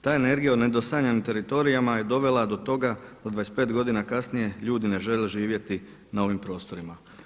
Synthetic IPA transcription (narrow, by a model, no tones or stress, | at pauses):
t̪aːene̞ɾɡijaod̪ne̞d̪o̞saɲanimt̪e̞ɾit̪o̞ɾijamaje̞d̪o̞ʋe̞lˠad̪o̞t̪o̞ɡad̪̥ad̪ʋajespe̞ːt̪ɡo̞d̪inakasnije̞ʎuːd̪ine̞ʒe̞leʒiːʋje̞t̪i | nao̞ʋimpɾo̞ːst̪o̞ɾima